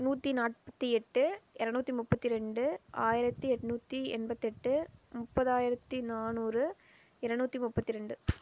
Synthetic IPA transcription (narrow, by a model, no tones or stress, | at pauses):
nuːt̪ːinaːʈpɐ̥t̪ːiɛʈːɯɪɾɐnuːt̪ːimʊpːɐt̪ːiɾɛɳɖɯaːjɪɾɐt̪ːiɛʈːnuːt̪ːiɛ̰nbɐt̪ːɛʈːɯmʊpːɐðaːjɪɾɐt̪ːinaːnuːɾɯ | ɪɾɐɳuːt̪ːimʊpːɐt̪ːɪɾɛɳɖɯ